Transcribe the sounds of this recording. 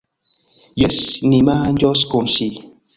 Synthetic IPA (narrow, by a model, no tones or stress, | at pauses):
jɛsnimand͡ʒɔskomʃi